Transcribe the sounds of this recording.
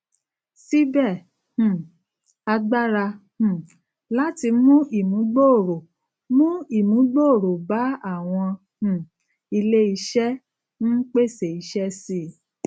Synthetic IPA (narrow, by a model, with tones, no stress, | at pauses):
si˦bɛ˦˨ | h̩˨ | a˧ɡ͡ba˦ɾa˧h̩˨ | la˦ti˧mũ˦ʔi˦˨mũ˨˦ɡ͡bo˦o˨ɾo˨ | mũ˦i˦˨mũ˨˦ɡ͡bo˦o˦˨ɾo˨ba˨˦a˦˨w̃ɔ̃˧ | hũ˨ | i˧le˦i˧ʃɛ˦ | ñ̩˦k͡pe˦˨se˨i˨˦ʃɛ˦si˦˨